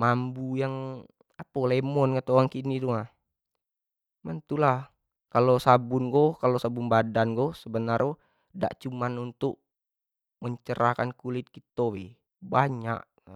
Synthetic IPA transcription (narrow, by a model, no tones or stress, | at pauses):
mambujaŋ | apolemɔnkət̪oaŋkinid̪uŋah | mənt̪ulah | kalosabunɡokalosabunbadanɡosəbənaro | da̰ʔt͡ʃumanunt̪uk̚ | məɲt͡ʃəɾakankulit̪̚kit̪owḭ | baɲa̰ʔ